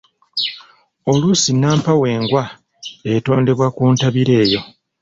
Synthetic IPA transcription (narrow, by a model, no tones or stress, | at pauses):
o̞lusinaːmpawe̞ːŋɡwa | eto̞ːnde̞βwakuːntaβiɾe̞ːjo̞